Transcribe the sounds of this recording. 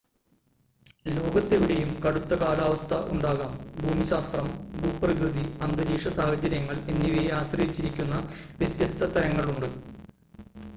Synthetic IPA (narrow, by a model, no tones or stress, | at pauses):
lo̞ːɡɐt̪ːeʋiɽejumkɐɽut̪ːɐkaːlaːʋɐst̪ʰɐʔuɳɖaːɣaːmbʱuːmiɕaːst̪rɐmbʱuːpːrɐɣɾɨðiɐnd̪ɐɾiːʂɐsaːhɐd͡ʑɐɾjɐŋːɐɭenːiʋejaːɕrɐjit͡ɕːiɾikʲːunːɐʋjɐt̪jɐst̪ʰɐt̪ɐɾɐŋːɐɭuɳɖɨ